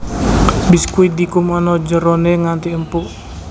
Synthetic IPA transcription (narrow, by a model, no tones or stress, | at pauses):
bɪskuid̪ikumɔnɔd͡ʒəɾoneŋant̪iəmpuʔ